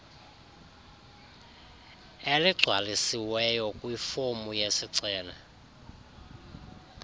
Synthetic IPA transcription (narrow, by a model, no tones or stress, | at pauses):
eliɡ͡ǀʱwalisiwɛjɔkʼwifomujesiǀɛːna